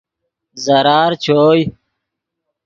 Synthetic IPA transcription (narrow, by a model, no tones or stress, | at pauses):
zɐɾaːɾt͡ɕʰoːj